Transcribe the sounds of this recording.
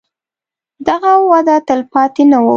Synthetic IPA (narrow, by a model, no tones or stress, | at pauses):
d̪aɣawad̪at̪əlpɑt̪enawə